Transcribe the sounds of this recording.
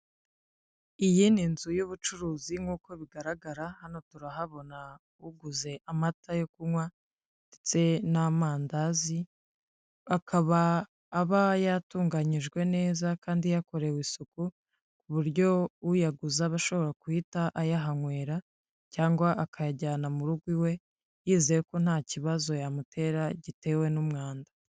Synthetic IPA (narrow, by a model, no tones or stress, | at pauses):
ijininzujuβut͡ʃuɾuːziŋɡuːko̞βiɡaɾaɡaɾahano̞tuɾaɦaβo̞na | uɡuze̞ʔamatʰajokuwa | ndet͡se̞namaːndazi | akʰaβaː | βajatuːŋɡaɲiʒɡwe̞ne̞ːzakaːndijako̞ɾe̞wiːsuku | kuβuɾɟo̞ujaɡuzaβaʃo̞βo̞ɾakuitaʔajaɦaŋwe̞ːɾa | caːŋɡwaʔakʰajaɟaːnamuɾuɡwiwe̞ | jiːzijeko̞n̥haːciβazo̞jamutʰe̞ɾaɟite̞ːwe̞numŋaːndḁ